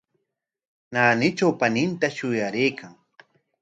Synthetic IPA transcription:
naːnɪt͡ʃawpanɪnt̪aʃʊjaɾɪjkʰaŋ

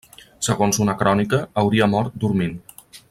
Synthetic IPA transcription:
səɣonzunəkɾɔnikəːwɾiəmɔɾt̪̚d̪uɾmin

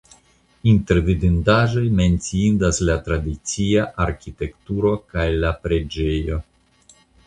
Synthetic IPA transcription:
inte̞ɾvidindaʒo̞jme̞nt͡siindaslatɾadit͡siaʔaɾkite̞ktuɾo̞kajlapɾe̞d͡ʒe̞jo̞

